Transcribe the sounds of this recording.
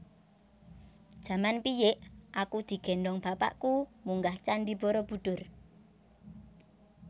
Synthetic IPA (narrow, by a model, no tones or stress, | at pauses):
d̥ʒ̥a̤manpijɪʔʔakud̪̥i̤ɡ̥ɛ̤ndɔŋb̥apa̰ʔkumuŋɡaht͡ʃanɖib̥ɔɾɔb̥ṳɖ̥ʊ̤r